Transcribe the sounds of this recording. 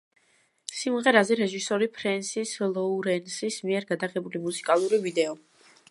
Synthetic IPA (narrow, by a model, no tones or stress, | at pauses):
simʁɛɾazɛɾɛʒisɔɾipʰɾɛnsislˠɔuɾɛnsismiɛɾɡad̪aʁɛbulimusi̥kʼalˠuɾivid̪ɛɔ